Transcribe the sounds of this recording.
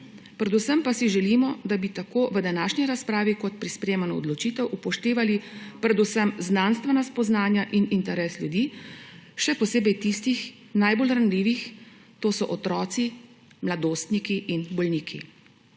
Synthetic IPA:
pɾɛd̪usəmpasiʒɛlimɔd̪abit̪akoːʋəd̪anaːʃnʲiɾaspɾaːʋikɔt̪̚pɾispɾeːmanɔɔd̪lɔt͡ʃiːt̪ɛwʔupɔʃt̪eːʋalipɾɛd̪usəmznaːnst̪ʋɛnaspɔznaːnjaʔinint̪ɛɾɛːsljud̪iː | ʃɛpɔseːbɛjt̪ist̪ix | najbolɾanliːʋix | t̪oːsɔʔɔt̪ɾɔːt̪si | mlad̪oːst̪nikiʔinbɔlniːkʰḭ

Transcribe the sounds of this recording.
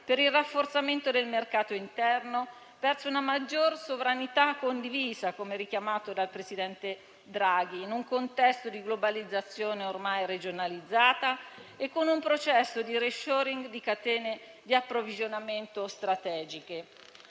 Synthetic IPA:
peɾilrːafːort̪sament̪od̪elmerkaːt̪oint̪ɛrno | pɛrsounamad͡ʒːorsovɾanit̪akːond̪iviːzakomeɾikjamaːt̪od̪alpɾesid̪ɛnt̪e | d̪ɾaɡiːnuŋkont̪ɛst̪od̪iɡlobalid̪zːat̪sːjoːneormajred͡ʒonalid̪zːaːt̪aekːonumpɾot͡ʃɛsːod̪iɾeʃoːɾiŋɡd̪ikat̪ɛːne | d̪iapːɾovid͡ʒonament̪ost̪ɾat̪ɛːd͡ʒike

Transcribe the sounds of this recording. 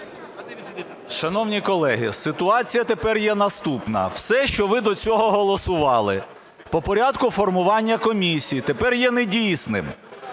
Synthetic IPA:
ʃɐnɔwnʲikɔlˠɛɦɪsɪt̪ʊɑt͡sʲijɐt̪epɛrjɛnɐst̪upnɐ̰wsɛʃt͡ʃɔʋɪd̪ɔt͡sʲɔɦɔɦɔlˠɔsʊʋɑlˠɪ̰ | pɔpɔɾʲad̪kʊfɔrmʊʋɑnʲːɐkɔmʲisʲijit̪epɛrjɛnedʲijsnɪ̰m

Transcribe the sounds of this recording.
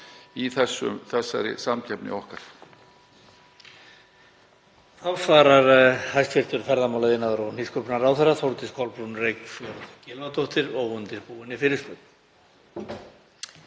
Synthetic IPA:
iθɛsːʏ̰mθɛsːa̰ɾɪ̰samcʰɛpnɪ̰ɔhkaɾ̥ | θawsvaːɾaɾhajst̪fɪr̥t̪ʏɾfɛɾðamawlaðɪnːaðʏɾɔniskʰœpnaɾawθɛrːaθowɾt̪ɪskʰɔlpɾunrejkfœɾcɪlmat̪oht̪ɪɾɔɣʏnt̪ɪɾpuːvɪnːɪfɪɾɪɾ̥spœt̪n̥

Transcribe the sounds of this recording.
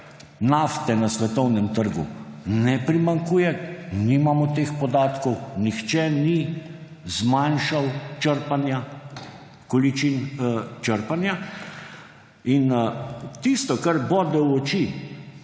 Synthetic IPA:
naft̪ɛnasʋɛt̪ɔwnɛmt̪əɾɡṵnɛpɾimaŋkuːjɛnimamɔt̪eːxpɔd̪aːt̪kɔwnixt͡ʃɛni | zmanʃawt͡ʃəɾpanja | kɔlit͡ʃint͡ʃəɾpanja | int̪ist̪ɔkaɾbod̪ɔwɔt͡ʃi

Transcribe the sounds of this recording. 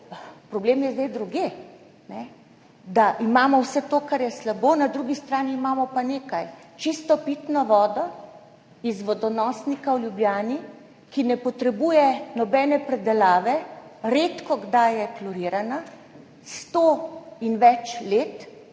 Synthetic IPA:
pɾɔbleːmjɛzd̪ejd̪ɾuɡje | nɛ | d̪aʔimaːmɔwsɛt̪oːkaɾjɛslaboːnad̪ɾuɡist̪ɾaːniːmaːmɔpaneːkajt͡ʃist̪ɔpit̪nɔʋɔːd̪ɔ | izʋɔd̪ɔnɔsnikawljubljaːni | kinɛpɔt̪ɾɛbuːjɛnɔbɛːnɛpɾɛd̪ɛlaːʋɛɾeːt̪kɔɡd̪ajɛklɔɾiːɾana | st̪oinʋɛt͡ʃleːt̪

